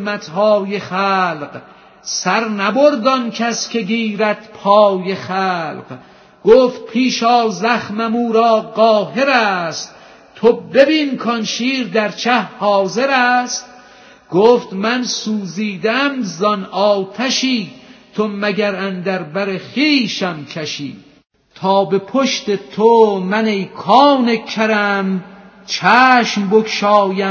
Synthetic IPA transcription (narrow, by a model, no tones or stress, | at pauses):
mæt̪ʰhɒːjeχæːlq | sæɾnæboɾd̪ɒnkʰæskʲʰeɡiːɾæt̪pʰɒːjeχæːlq | ɡ̥oːft̪̚pʰiːʃɒːzæχmæmuːɾɒːɢɒːɦe̞ɾæst̪ | t̪ʰobe̞binkʰɒnʃiːɾd̪æɾt͡ʃʰæhhɒːze̞ɾæst̪̚ | ɡ̥oːft̪mænsuːziːd̪ææmzɒnɒːt̪ʰæʃiːt̪ʰomæɡæɾænd̪æɾbæɾeχiːʃæmkʰæʃḭː | t̪ʰɒːbepʰoʃt̪et̪ʰomænejkʰɑːnekʰæɾæm | t͡ʃʰæːʃmbokʰʃɒːjæ